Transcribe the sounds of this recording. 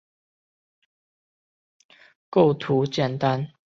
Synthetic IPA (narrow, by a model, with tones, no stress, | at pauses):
ko˥˨ʊt̪ʰu˨˦t͡ɕjɛ˨˩nt̪a˦n